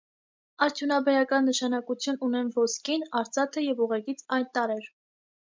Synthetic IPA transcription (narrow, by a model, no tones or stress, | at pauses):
ɑɾt̪ʰjunɑbɛɾɑkɑnːəʃɑnɑkut͡sʰjununɛmvɔskinɑɾt͡sʰɑt̪ʰəjɛvuʁɛkit͡sʰɑjnt̪ɑɾɛɾ